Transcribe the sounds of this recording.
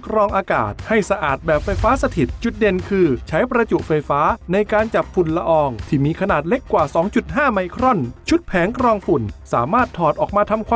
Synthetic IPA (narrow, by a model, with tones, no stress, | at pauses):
kʰɾɔː˧ŋʔaː˧ka̰ː˨˩t̪̚ha˥˩jsa˧ʔaː˨˩t̪̚bɛː˨˩p̚fa˧jfaː˦˥sa˧t̪ʰi˨˩t̪̚t͡ɕu˨˩t̪̚de˨˧˩nkʰɯː˧t͡ɕʰa˦˥jpɾa˧t͡ɕu˨˩ʔfa˧jfaː˦˥na˧jkaː˧nt͡ɕa˨˩p̚fu˨˩nla˧ʔɔː˧ŋt̪ʰiː˥˩miː˧kʰa˧naː˨˩t̪̚le˦˥kːwaː˨˩sɔː˩˦ŋt͡ɕu˨˩t̪̚haː˥˩ma˧jkʰɾɔ˥˩nt͡ɕʰu˦˥t̪̚pʰɛː˩˦ŋkɾɔː˧ŋpu˨˩nsaː˩˦maː˥˩t̪ʰːɔː˨˩t̪̚ʔɔː˨˩k̚maː˧t̪ʰa˧mkʰwaː˧